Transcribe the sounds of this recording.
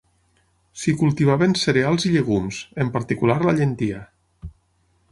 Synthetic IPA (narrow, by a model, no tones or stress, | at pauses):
sikulˠt̪iβ̞aβenseɾealˠziʎeɣ̞umz̥empaɾt̪ikulaɾlaʎent̪ia